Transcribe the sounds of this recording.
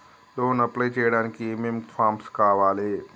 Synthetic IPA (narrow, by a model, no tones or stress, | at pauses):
ɗ̪oːnɐplet͡ʃeːɽankʰiememfʰaːmskaɦɐʋaːleː